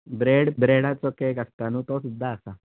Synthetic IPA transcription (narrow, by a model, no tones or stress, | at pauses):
bɾeɽbɾeɽat͡sɔkekəst̪anũt̪ɔsud̪ʱːaːsa